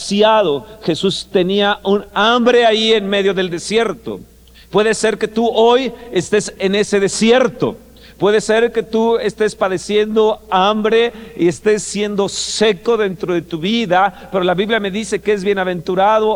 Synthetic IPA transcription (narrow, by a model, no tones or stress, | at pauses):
sjaðoxe̞sust̪e̞niaʔunambɾe̞aienme̞ðjo̞ðe̞ld̪e̞sje̞ɾt̪o̞̰ | pwe̞ðe̞se̞ɾke̞t̪uojest̪e̞se̞ne̞se̞ðe̞sje̞ɾt̪o̰ | pwe̞ðese̞ɾke̞t̪ue̞st̪e̞spaðe̞sje̞nd̪o̞ambɾe̞ie̞st̪e̞sːje̞nd̪o̞se̞ko̞ðe̞nt̪ɾo̞ðe̞t̪uβiðape̞ɾo̞laβiβljame̞ðise̞keezβje̞naβẽ̞nt̪uɾaðo